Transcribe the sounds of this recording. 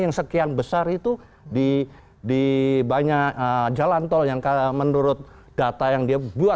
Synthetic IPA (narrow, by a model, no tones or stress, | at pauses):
jaŋsəkianbəsarit̪u | di | dibaɲakəd͡ʒalant̪ɔljaŋkamənuɾʊt̪̚ | d̥at̪ajaŋdiabua